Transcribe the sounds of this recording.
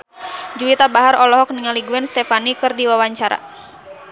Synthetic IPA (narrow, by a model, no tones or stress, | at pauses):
d͡ʒuit̪abaɦaɾɔlɔɦɔk̚niŋaliɡuɛnst̪ɛfanikɨrdiwawaɲt͡ʃaɾa̰